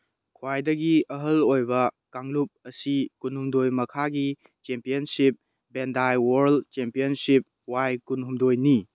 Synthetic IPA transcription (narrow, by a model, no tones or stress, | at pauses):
kʰuajdɐɡiɐɦɐlojbɐkaŋlup̚ɐsikunhumdojmɐkʰaɡi | t͡ʃempijonsip̚ | bendajwɐɾlt͡ʃempionsip̚ | wajkunɦumdojni